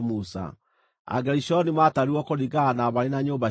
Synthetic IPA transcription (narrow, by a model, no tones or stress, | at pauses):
musa̰ | a̰ɡɛɾiʃɔnimaːtaɾiɔkoɾiɡanaβaɾenaɲoːba